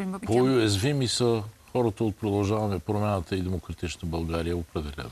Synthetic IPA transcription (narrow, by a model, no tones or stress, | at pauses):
pojʊɛzvimisəxɔɾət̪əot̪̚pɾod̪ɐlˠʒavɐmɛpɾomʲanət̪əid̪ɛmokɾɐt̪it͡ʃnəbɐlˠɡaɾijəopɾɛd̪ɛlʲɛ̰n